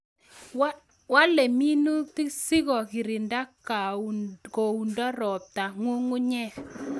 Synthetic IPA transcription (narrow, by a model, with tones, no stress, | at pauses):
wa˦le˨mi˦nu˦ti˦si˦ɣɔ˨kɪ˨ɾɪ˨nda˦ka˨ko˨u˨ndɔ˦ɾɔ˨p̚ta˨ŋwo˦ŋu˦ɲɛ˦k